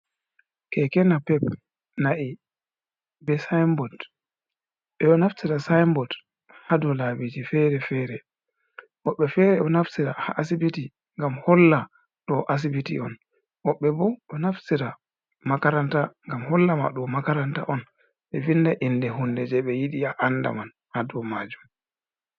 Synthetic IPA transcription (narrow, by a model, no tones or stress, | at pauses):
kɛkɛnapɛp | naʔi | bɛsajmbɔd | ɓɛɔnaftiɾasajmbɔd | hadɔlabitifɛɾɛfɛːɾɛ | wɔɓːɛfɛɾɛʔɔnaftiɾaha̰ʔasibiti | ŋɡamhɔlːa | ɗɔʔas̬ibitḭɔn | wɔɓːɛbɔʔɔnaftiɾa | makaɾantaŋɡamhɔlːama̰ɗɔmakaɾanta̰ʔɔn | ɓɛvindaʔindɛɦundɛd͡ʒɛɓɛjiɗiaʔanːda̰man | hadɔmad͡ʒum